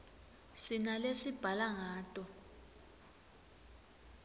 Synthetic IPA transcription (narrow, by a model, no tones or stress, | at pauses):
sinalesib̥ʱalaŋaːtʼɔ